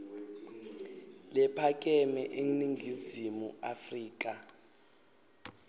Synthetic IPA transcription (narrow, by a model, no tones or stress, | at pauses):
lɛpʰak̬ʼɛmɛʔeŋniŋʱizimuafriːk̬ʼa